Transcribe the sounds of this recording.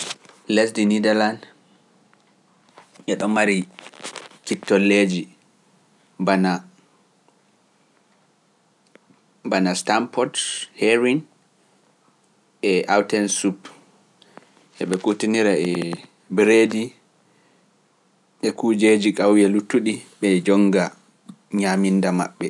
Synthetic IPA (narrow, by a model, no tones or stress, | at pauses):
lesdinidɛland | ɛɗɔmaɾi | kitːɔlːed͡ʒi | bana | banastampɔthɛɾin | ɛʔawtɛnsup | ʔɛɓɛkutiniɾaɛ | bɾedi | ʔɛkud͡ʒed͡ʒikawjɛlutːuɗiɓɛd͡ʒɔŋɡa | ɲamindama̰ɓːɛ